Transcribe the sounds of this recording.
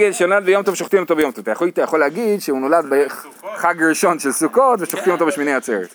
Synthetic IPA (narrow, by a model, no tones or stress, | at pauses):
ɡelʃenolad̪̚bejomt̪ovʃoχt̪imot̪obejo̞mtovat̪ajaot̪ajaχoleaɡid̪ʃeuno̞lad̪be | χaɡʁiʃo̞nʃelsukot̪veʃoχt̪imot̪obeʃmineat͡seʁet